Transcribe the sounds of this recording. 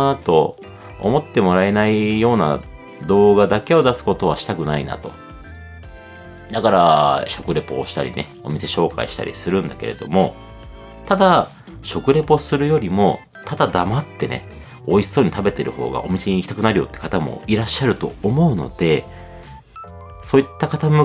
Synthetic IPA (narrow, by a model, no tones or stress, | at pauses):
t̪o̞̰ː | mo̞t̪ːe̞mo̞ɾaenaijo̞ːna̰ | d̪o̞ːɡad̪ake̞o̞d̪asɨ̥ko̞t̪o̞β̞aɕi̥t̪akɯ̟naina̰t̪o̞̥ | d̪akaɾaɕo̞kɯ̟ɾe̞po̞̰ːɕi̥t̪aɾʲḭne̞̰ | o̞̰mʲise̞ɕo̞ːka̰iɕi̥t̪a̰ɾʲḭsɨɾɯ̟̃nd̪ake̞̰ɾe̞d̪o̞mo̞ | t̪ad̪a | ɕo̞kɯ̟ɾe̞po̞sɨɾɯ̟jo̞ɾʲimo̞ | t̪ad̪ad̪amat̪ːe̞ne̞̰ | o̞iso̞ːɲ̟it̪abe̞t̪e̞ɾɯ̟ho̞̰ːɡa̰ʔo̞mʲise̞ɲ̟iːkʲit̪akɯnaɾɯjo̞̰t̪ːe̥kat̪amo̞̰iɾaɕːaɾɯ̟t̪o̞ːmo̞ɯ̟no̞̰d̪̥e̞ | so̞ːit̪ːakat̪amɯ